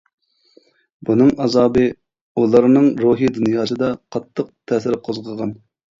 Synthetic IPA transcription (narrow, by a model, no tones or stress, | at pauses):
bunɨŋɑzɑːbɨ | ulˠɑɾnɨŋɾuɦid̪unjɑːsɨd̪ɑqʰɑt̪ʰːəq̚t̪ʰɛːsɪɾqʰozʁʰəʁɑn